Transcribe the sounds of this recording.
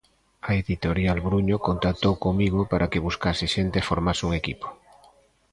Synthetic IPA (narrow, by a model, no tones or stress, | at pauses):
aeðit̪oɾjalβɾuɲokont̪ak̚t̪owkoŋmiɣ̞opaɾʔakeβuskasɪʃent̪efoɾmasuŋekipo̥